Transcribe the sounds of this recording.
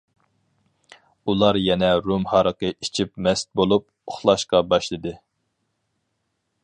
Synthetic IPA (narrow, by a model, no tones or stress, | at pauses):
ulˠɑɾjɛnɛɾumhɑɾəqəi̥t͡ʃʰipmɛst̪̚bolˠup̚oχlˠɑʃqɑbɑʃlˠɨd̪ɨ